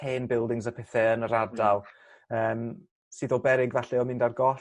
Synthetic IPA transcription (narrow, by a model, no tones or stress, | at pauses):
eːnbɪlˠdɪŋzəpʰɛθɛənəɾadalˠ | əːm | sɨːðɔbɛɾɪɡvaɬɛɔmɪ̃ndarɡɔ